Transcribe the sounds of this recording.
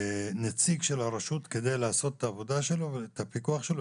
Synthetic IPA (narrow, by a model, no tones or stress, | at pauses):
net͡siɡʃe̞lhaɾaʃut̪ke̞d̪ejlaːso̞tet̪ːaːvo̞d̪aʃe̞lo̞t̪apikuaχʃelo